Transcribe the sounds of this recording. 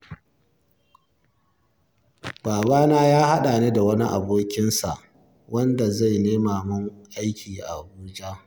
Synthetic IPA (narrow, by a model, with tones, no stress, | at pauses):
baː˨baː˦naː˦jaː˦ha˦ɗa˨neː˦da˨wɐ˦ni˦ʔa̰˨boː˦kʲɪ˦nsa˨ʔ | wɐ˦nda˨za˦˨jneː˦maː˨mʊ˦ŋʔa˦jkʲʰiː˨ʔa̰˨ʔa˨buː˦d͡ʒa˦